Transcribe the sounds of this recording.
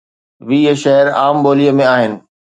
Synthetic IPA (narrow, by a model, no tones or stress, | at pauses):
ʋiːəʃɐɦɪɾaːmboːliəmẽaːɦɪnɪ̆